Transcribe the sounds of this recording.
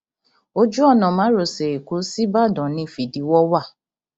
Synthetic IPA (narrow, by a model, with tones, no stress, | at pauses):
o˦d͡ʒu˦ɔ˦˨nɔ̃˨mã˨˦ɾo˨se˨e˨ko˨˦si˦ba˦˨dɔ̃˨˦nĩ˨˦˨fi˨di˨˦wɔ˦wa˦˨